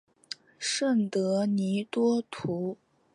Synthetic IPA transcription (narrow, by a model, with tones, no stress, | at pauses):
ʂə˥˩nt̪ɤ˧˥ni˧˥t̪wɔ˥t̪ʰu˧˥